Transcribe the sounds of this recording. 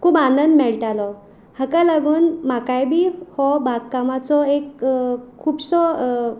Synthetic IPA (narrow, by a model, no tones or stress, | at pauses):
kʰuːbanənd̪mɛɭʈalɔ | həkalaɡuːnmakajbʱiːhɔbʱaɡ̚kamat͡sɔekkʰːuːbsɔ